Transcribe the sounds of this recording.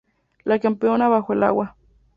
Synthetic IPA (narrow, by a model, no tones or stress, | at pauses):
lakempeonaβawʷela̰wa